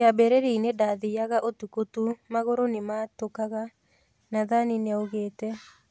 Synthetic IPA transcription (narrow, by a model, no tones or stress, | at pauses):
abɛɾeɾeinedaðiaɣaʔotukotumaɣoɾonematokaɣa | naðanineoɣeːtɛ